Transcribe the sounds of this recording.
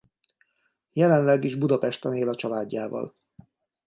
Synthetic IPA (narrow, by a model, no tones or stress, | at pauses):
jɛlɛnlɛɡiʒbud̪ɒpɛʃt̪ɛneːlɒt͡ʃɒlaːɟːaːvɒ̰l